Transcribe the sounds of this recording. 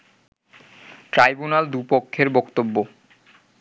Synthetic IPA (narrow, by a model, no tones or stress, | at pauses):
ʈɾajbunald̪upokʰːeɾbɔkt̪obːo